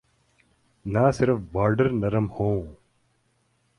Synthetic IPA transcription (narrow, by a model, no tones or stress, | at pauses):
naːsɪɾfbaːɾɖəɾnɐɾɐmhõː